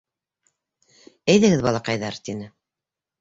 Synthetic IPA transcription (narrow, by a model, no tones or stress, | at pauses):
ɘjðɘ̆ɡɘðbɑlˠɑqɑjðɑɾt̪inɘ